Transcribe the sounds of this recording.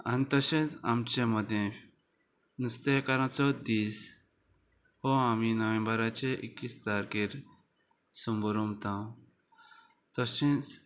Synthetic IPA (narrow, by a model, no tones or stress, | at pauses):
a̰nit̪əɕẽt͡sa̰mt͡ɕeməd̪ʱjẽ | nust̪ekaɾãt͡sɔd̪iːs | hoaminəʋẽmbəɾat͡ɕeʔikːisd͡zaɾkiɾ | sumbəɾumt̪ãw̃ | t̪əɕẽt͡s